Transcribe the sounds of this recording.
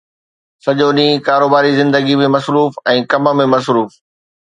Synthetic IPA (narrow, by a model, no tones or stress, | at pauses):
sɐʄoɗĩːkaːɾoːbaːɾizɪ̃nd̪əɡimẽmɐsɾuːfɛ̃ːkɐmə̆mẽmɐsɾuːf